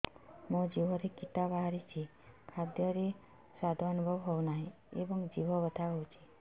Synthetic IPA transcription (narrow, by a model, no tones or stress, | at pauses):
mõd͡ʒibʱɔɾekit̪abaɦaɾit͡ʃʰi | kʰad̪jɔɾe | sad̪ʱɔːnubʱɔbɦownaɦĩ | ebɔŋd͡ʒibɔbɔt̪ʰaɦowt͡ʃʰi̥